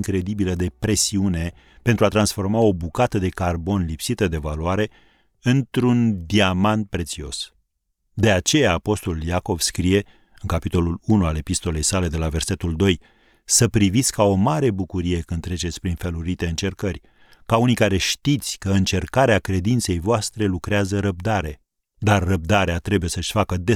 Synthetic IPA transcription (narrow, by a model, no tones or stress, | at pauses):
ŋkɾe̞d̪ibiləd̪e̞pɾe̞siune̞ | pe̞nt̪ɾuat̪ɾansfo̞rmao̞bukat̪əd̪e̞karbo̞nlipsit̪əd̪e̞valuaɾe̞ | ɨnt̪ɾund̪iamant̪̚pɾe̞t̪sio̞̰s | d̪e̞at͡ʃe̞jaːpo̞st̪o̞luljako̞vskɾije̞ | ɨŋkapit̪o̞lulunuale̞pist̪o̞le̞jsale̞d̪e̞lave̞rse̞t̪uld̪o̞j | səpɾivit̪sʲkao̞maɾe̞bukuɾije̞kɨnd̪t̪ɾe̞t͡ʃet̪sʲpɾinfeluɾit̪e̞ɨnt͡ʃe̞rkərʲ | kaunijkaɾe̞ʃt̪it̪sʲkəɨnt͡ʃe̞rkaɾeakɾe̞d̪int̪se̞jvoast̪ɾe̞lukɾeazəɾəb̚d̪aɾe̞ | d̪arːəb̚d̪aɾeat̪ɾe̞buje̞səʃʲfakəd̪e